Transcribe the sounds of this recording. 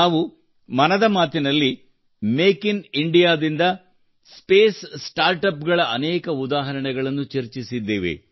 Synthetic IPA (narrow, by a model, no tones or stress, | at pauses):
aːʋu | mɐnɐd̪ɐmaːt̪inɐlːi | meːkiniɳɖijaːd̪ind̪ɐ | speːssʈaːɾʈɐpɡɐɭɐʔɐnɛːkɐud̪aːɦɐɾɐɳɛɡɐɭɐnːut͡ʃɐɾt͡ʃisid̪ːeːʋḛ